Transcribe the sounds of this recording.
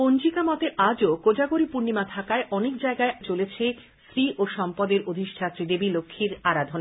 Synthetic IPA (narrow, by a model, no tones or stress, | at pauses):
ond͡ʑikamɔt̪eʔad͡ʑokod͡ʑaɡoɾipuɾnimat̪ʰakaeʔɔnek̚d͡ʑaeɡaet͡ɕolet͡ɕʰe | sɾiʔoʃɔmpɔd̪eɾod̪ʱiʃt͡ɕʰat̪ːɾid̪ebilokʰːiɾaɾad̪ʱon